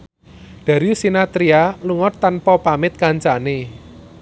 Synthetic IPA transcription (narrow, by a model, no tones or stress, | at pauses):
d̪̥a̤ɾisinat̪ɾialuŋɔt̪ːanpɔpamɪt̪̚kaɲt͡ʃane